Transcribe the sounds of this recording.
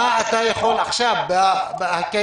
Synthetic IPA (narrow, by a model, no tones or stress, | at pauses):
aʔat̪ajaxolaχʃabbhake